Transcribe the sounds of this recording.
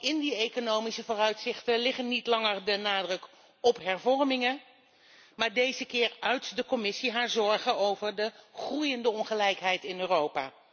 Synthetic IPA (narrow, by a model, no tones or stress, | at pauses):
ɪndiejkonowmisəvoːrœɥtsɪχtəlɪχənːitlɑŋəɹdənaːdrɵk | ɔpɦɛɹvɔɹmɪŋə | maːɹdejzəkɪːɹœɥtdəkɔmɪsiɦaːɹzɔɹχənowvəɹdəχrujəndəɔnχəlɛjkɦɛjtɪnøːrowpa̰ː